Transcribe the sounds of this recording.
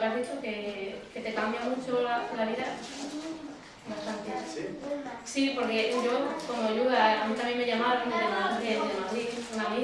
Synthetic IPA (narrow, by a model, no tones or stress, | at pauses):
ɾaɦβit͡ʃokeke̞t̪e̞kambjamut͡ʃolalaβiða | lakant̪ia | sipo̞ɾkeʝokomoʎuɣaamit̪amje̞ŋmeʝamaɾoŋmejamaod̪eemaðliunami